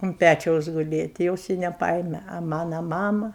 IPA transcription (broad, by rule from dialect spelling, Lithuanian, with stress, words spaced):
ʊn ˈpʲæt͡ʃʲɛʊs ɡʊˈlʲeː tʲɪ ˈjoːs ɪ nʲɛˈpɐeːmʲɛ ɐ ˈmɑːnɐ ˈmɑːmɐ